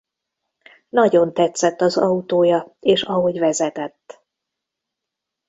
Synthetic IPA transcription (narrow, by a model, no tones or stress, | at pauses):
nɒɟo̞nt̪ɛt̪sɛt̪ːɒzɒut̪oːjɒeːʃɒɦo̞ɟvɛzɛt̪ɛt̪ː